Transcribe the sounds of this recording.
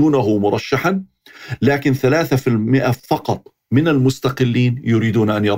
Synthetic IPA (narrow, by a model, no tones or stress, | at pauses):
uːnaɦʊmʊɾˤɑʃːaħan | laːkɪnθalaːθafɪlmɪʔafɑqɑt̪ˤ | mɪnalmʊst̪aqɪlːiːnjʊɾiːd̪uːnʔanjɑɾ